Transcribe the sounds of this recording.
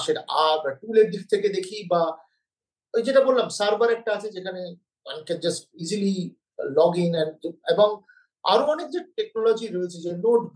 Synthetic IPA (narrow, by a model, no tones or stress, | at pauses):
ʃeɾabaʈuleʈ̚d̪ik̚t̪ʰeked̪ekʰiba | d͡ʑeʈabollamsaɾbaɾɛk̚ʈaat͡ʃʰed͡ʒekʰane | a̰nked͡ʒɐsʈ̚izili | lɔɡiŋɛ̃nd͡ʒebɔŋ | a̰ɾoɔnek̚d͡ʑeʈek̚nɔlɔd͡ʑiɾɔet͡ɕʰed͡ʑeno